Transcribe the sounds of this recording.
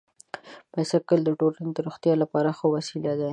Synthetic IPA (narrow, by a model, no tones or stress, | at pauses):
pajsakəld̪əʈolaned̪əɾoxt̪jɑlapɑɾaxowasilad̪a